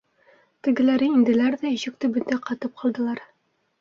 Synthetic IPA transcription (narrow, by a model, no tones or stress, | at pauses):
t̪ɘ̆ɡɘ̆læɾɘind̪ɘ̆læɾðæĭɕɘ̆k̚t̪ɘbɵ̆nd̪æqɑt̪ɤp̚qʰɑlˠd̪ɤ̆lˠɑɾ